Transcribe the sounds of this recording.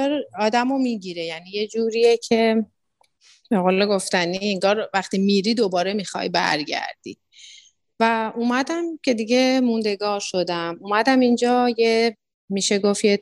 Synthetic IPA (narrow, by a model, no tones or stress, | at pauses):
ɒɾɒːd̪æmomiɟiːɾe̞jænije̞d͡ʒuːɾiecʰe̞ | beɣoleɡo̞ft̪ænieŋɡɒːɾvæxt̪imiːɾiːd̪o̞bɒːɾe̞mixɒ̰jbæ̰ɾɟæ̰ɾd̪̥ḭ | væuːmæd̪æmcʲʰe̞d̪iɟe̞mund̪e̞ɡɒːɾʃo̞d̪æmumæd̪æmind͡ʒɒːje | miʃe̞ɡo̞fje